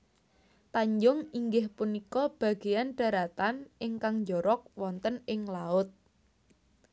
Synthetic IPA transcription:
t̪aɲd͡ʒʊŋiŋɡɪhpunikɔb̥ä̤ɡ̥e̤janɖ̥a̤ɾat̪anʔɪŋkaŋɲd͡ʒɔɾɔk̚wɔnt̪ənɪŋlaʊt̪̚

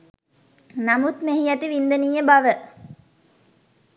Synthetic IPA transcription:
nɐmut̪meɦijɐt̪iʋind̪ənijəbɐʋə

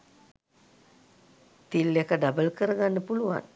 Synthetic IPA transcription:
t̪ilːekəɖabəlkəɾəɡanːəpulua̰n

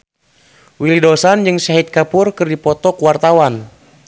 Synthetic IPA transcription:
wilidɔsand͡ʒɨŋsaɦit̪̚kapurkɨrdipɔt̪ɔkuwart̪awan

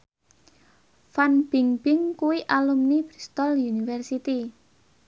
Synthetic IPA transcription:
fanb̥iŋb̥ɪŋkuwiʔalumnib̥ɾist̪ɔljunifɛrsit̪i

